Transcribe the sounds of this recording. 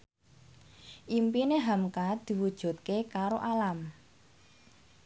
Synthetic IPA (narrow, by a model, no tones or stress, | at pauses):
ʔimpineɦamkad̪̥i̤wud̥ʒ̥ṳt̪̚kekaɾoʔalam